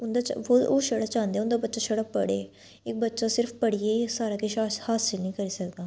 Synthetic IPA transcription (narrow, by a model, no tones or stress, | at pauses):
ʊnd̪aːt͡ʃooːʃəɽat͡ʃãːnd̪eːʊnd̪aːbətːʃaːʃəɽapəɽeː | ɪk̚bətːʃaːsɪɾpʰpəɽiːeːsaːɾaːkɪʃashaːsɪlnĩːkəɾiːsəkd̪aː